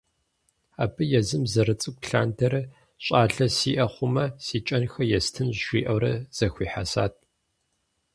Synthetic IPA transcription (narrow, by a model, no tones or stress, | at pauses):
aːbɨjɛzɨmzɐɾɨt͡sʼɨk̚ʷʼɬa̰ːndʰɐɾɐ | ɕʼaːɬɐsiːʔɐχʷʊmɐsiːt͡ʃʼɐnxɐjɛstʰɨnʃʷḭːʔɐwɾɐz̥ɐxʷiːħasa̰ːt̚ʰʼ